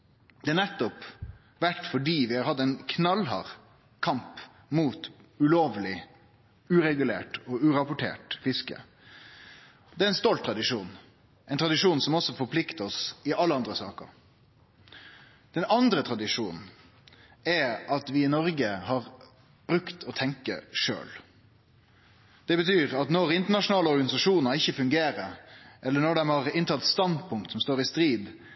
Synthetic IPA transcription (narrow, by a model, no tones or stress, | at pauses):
d̪̥ɛæɳɛt̪ːɔp | ʋæʈfɔɖiːʋɪhɑɾhɑt̪ːɛɪnkʰnɑlɦɑ̰ɾ | kʰɑmp | muːt̪ʉloːʋlɪ | ʉːɾɛɡʉlḛːʈɔːʉɾɑpʊʈʰḛːʈfɪskə̰ | d̪ɛːæɾɛnst̪ɔlt̪ʰːɾɑd̪ɪʂuːn | ʔɛɪnt̪ʰɾɑd̪ɪʂuːnsɔmɔsːɔfɔɾpʰlɪkt̪əɔsɪɑlːəɑnd̪ɾəsɑ̰ːkə̰ɾ | d̪̥ɛnɑnd̪ɾət̪ʰɾɑd̪ɪʂṵːnn̩ | ɛɑt̪ʋɪɪnɔɾɡəhɑɾ | b̥ɾʉkt̪ʰɔt̪ʰɛŋkə̰ʂø̰ːl | d̪̥ɛbət̪ʰyːʁɑt̪nɔɾɪnt̪əɳɑʂʊnɑːləɔɾɡɑnɪsɑʂuːnəɪçːəfʉŋɡeːɾəʔɛlːənɔɖ̪ɛmhɑʁɪnt̪ʰɑt̪st̪ɑnd̪pʰʊŋk̚t̪sɔmst̪oːɾɪst̪ɾiːb̪